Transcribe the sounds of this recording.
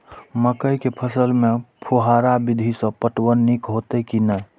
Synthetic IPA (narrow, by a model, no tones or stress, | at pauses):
məkəjkepʰəsəlmepʰuɦaɾabid̪ʱisə̃pəʈwənːikɦot̪ekinəj